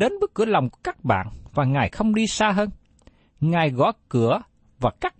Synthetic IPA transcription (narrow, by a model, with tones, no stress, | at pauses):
e˨˦nɓɨ˦˥k̚kːɨ˧˩əla˨˩wŋ͡mku˧˩əkaː˦˥k̚ɓa̰ː˧˨nvaː˨˩ŋaː˨˩jxə˧wŋ͡mɗi˧saː˧ɦəː˧n | ŋaː˨˩jɣɔ̰˧˥˦kɨ˧˩ə | vaː˨˩kaː˦˥k̚